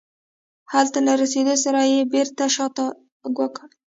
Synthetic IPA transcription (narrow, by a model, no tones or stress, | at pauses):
halt̪alaɾased̪osaɾajebeɾt̪aʃɑt̪a | ɡwakəɽ